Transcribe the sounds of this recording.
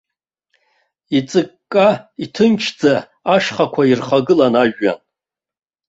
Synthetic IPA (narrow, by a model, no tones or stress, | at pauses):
it͡sʼɨkʼːaitʰɨnt͡ʃʰd͡zaː | ʂχakʷʰairχaɡɨlanaʒᶣːa̰n